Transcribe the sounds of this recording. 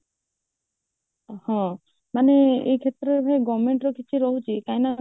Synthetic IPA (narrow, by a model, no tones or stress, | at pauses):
hɔ̃ | maneekʰet̪ɾeɾbʱajɡɔmeɳʈɾɔkit͡ʃʰiɾɔɦut͡ʃʰikajna